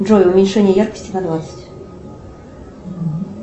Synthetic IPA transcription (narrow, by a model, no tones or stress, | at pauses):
ʐojʊʊmʲɪnʲʂɛnʲɪjəjarkə̥sʲtʲɪnɐd̪vat̪sɨ̥tʲ